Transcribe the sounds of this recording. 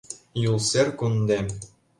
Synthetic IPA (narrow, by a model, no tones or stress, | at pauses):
julˠsʲerʲkund̪ʲe